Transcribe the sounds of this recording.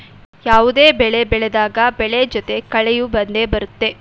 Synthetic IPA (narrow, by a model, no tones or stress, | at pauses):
jaːʋud̪e̞ːbɛɭebɛɭɛd̪aːɡɐbɛɭed͡ʒɔt̪e̞kɐɭɛjubɐnd̪eːbɐɾut̪ːe̞